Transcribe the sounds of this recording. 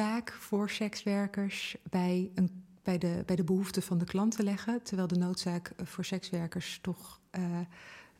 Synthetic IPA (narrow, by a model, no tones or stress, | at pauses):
aːkfʊːɹsɛksʋɛɹkəɹsbɛjənb̥ɛjdəbɛjdəbəɦuftəvɑndəklɑntəlɛχəntəɹʋɛjlˠdənowtsaːkvʊːɹsɛksʋɛɹkəɹstɔχ